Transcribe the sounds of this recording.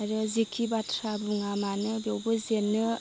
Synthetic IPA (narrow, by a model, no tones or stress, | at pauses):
aɾɯzikʰibatʰɾabuŋamanɯbewbɯzenːɯ